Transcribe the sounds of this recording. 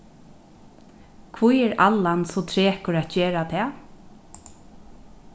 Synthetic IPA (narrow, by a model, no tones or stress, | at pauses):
kʰvujɛɹa̰lːansɔt̪ʰɾeːkʊɹat̪̚d͡ʒeːɾat̪ʰɛː